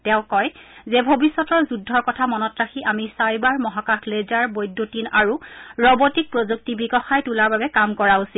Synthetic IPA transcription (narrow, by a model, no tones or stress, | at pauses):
tɛʊ̃kɔjzɛbʱobisːɔtɔɹzudʱːɔɹkɔtʰamɔnɔtɹaxiʔamisajbaɹmɔɦakaxlezaɹbojdːotinaɹuɹɔbotik̚pɹozuk̚tibiɡɔxajtulaɹbabɛkamkɔɹausil